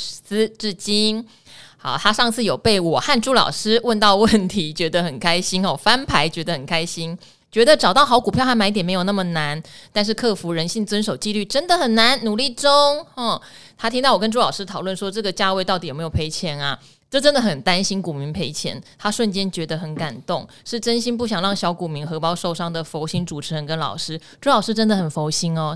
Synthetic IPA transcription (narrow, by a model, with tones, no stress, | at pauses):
sɹ̩˥ʈ͡ʂɻ̩˥˩t͡ɕi˥n | xɑ̰˨˩ʊt̪ʰa˥ʂɑ˥˧ŋt͡sʰɹ̩˥˩jo˨˩ʊpe˥˩ɪwɔ˨˩xa˥˧nʈ͡ʂu˥lɑ̰˨˩ʊʂɻ̩˥wə˥˧nt̪ɑ˥˧ʊwə˥˩nt̪ʰi˧˥t͡ɕɥɛ˧˥d̪ə˧xə˨˩nkʰa˥ɪɕi˥nxɔ˧˩fa˥npʰa˧˥ɪt͡ɕɥɛ˧˥d̪ə˧xə˨˩nkʰa˥ɪɕi˥n | t͡ɕɥɛ˧˥d̪ə˨ʈ͡ʂɑ˨˩t̪ɑ˥˩ʊxɑ˧˥ʊku˨˩pʰjɑ˥˧ʊxa˥ma˧˥t̪̬ɛ˨˩me˧˥jo˨˩na˥˩mə˨˩na˧˦nt̪nʂɻ̩˥˧kʰɤ˥˩fu˧˥ɻə˧˥nɕi˥˩ŋt͡swə˥nʂo˨˩ʊt͡ɕi˥˧ly˥˩ʈ͡ʂə˥nd̪ə˨xə˨˩nna˧˦nnu˨˩li˥˩ʈ͡ʂʊ˥ŋɔ˥˩t̪ʰa˥t̪ʰi˥ŋt̪ɑ˥˩wɔ˨˩kə˦˥nʈ͡ʂu˥lɑ˨˩ʊʂɻ̩˥t̪ʰɑ˨˩ʊwə˥˩nʂwɔ˥ʈ͡ʂɤ˥˩ɡə˩t͡ɕja˥˧we˥˧t̪ɑ˥˩t̪i˨o˨˩me˧˥jo˨˩pʰe˧˥ɪt͡ɕʰjɛ˧˥nɐ˨ | ʈ͡ʂɤ˥˩ʈ͡ʂə˥nd̪ə˨xə˨˩nt̪a˥nɕi˥nku˨˩mi˧˥ŋpʰe˧˥ɪt͡ɕʰjɛ̰˧˥˦nt̪ʰa˥ʂwə˥˩nt͡ɕjɛ˥nt͡ɕɥɛ˧˥d̪ə˧xə˧˩˥nka˨˩nt̪ʊ˥˩ŋ | ʂɻ̩˥˩ʈ͡ʂə˥nɕi˥np̬u˥˩ɕjɑ˨˩ŋɻɑ˥˩ŋɕjɑ˧˥ʊku˨˩mi˧˥ŋxɤ˧˥pɑ˥ʊʂo˥˧ʊʂɑ˥ŋd̪ə˨fo˧˥ʊɕi˥ŋʈ͡ʂu˨˩ʈ͡ʂʰɻ̩˧˥ɻə˧˥nkə˧˦nlɑ̰˨˩ʊʂɻ̩˥ | ʈ͡ʂu˥lɑ˨˩ʊʂɻ̩˥ʈ͡ʂə˥nd̪ə˨xə˨˩nfo˧˥ʊɕi˥nɔ˨˩